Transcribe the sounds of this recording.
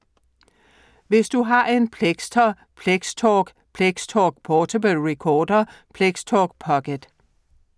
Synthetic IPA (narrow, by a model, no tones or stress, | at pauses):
ʋe̝sd̥uɦɑ̈ʔe̝npʰleɡ̥sdʰɐ | pʰleɡ̥stʰɔːɡ̥ | pʰleɡ̥stʰɒɡ̥̚pʰɒːt͡sʰobəlʁɛkʰɒːd̥ɐpʰleɡ̥stʰɒːɡ̥̚pʰɒ̽ɡ̥əd̥